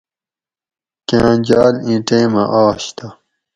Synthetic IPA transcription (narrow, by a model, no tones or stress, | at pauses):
kãːd͡ʑaːlĩʈẽːmãʔaːɕt̪ʰa